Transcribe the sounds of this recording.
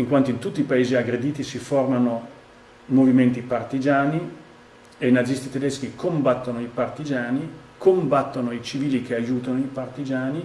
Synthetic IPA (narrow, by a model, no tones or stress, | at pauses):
iŋkwant̪oint̪ut̪ːipaeːziaɡɾed̪iːt̪isiformano | moviment̪ipart̪id͡ʒaːni | ejnazist̪it̪ed̪ɛsk̟ikʰombat̪ːonoipart̪id͡ʒaːnikombat̪ːonoit͡ʃiviːlik̟eajuːt̪anoipart̪id͡ʒaːni